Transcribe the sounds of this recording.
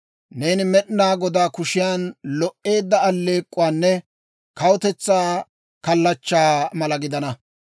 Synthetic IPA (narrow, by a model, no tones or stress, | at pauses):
ne̞ːnɪmɛɗɪnaːɡɔd̪aːkʊʃɪjaːnlɔʔe̞ːd̪ːɐɐlːe̞ːkʼːʊwaːnːɛ | kɐwɔt̪ɛt͡sːaː | kɐlːɐt͡ʃːaːmɐlɐɡɪd̪ɐnɐ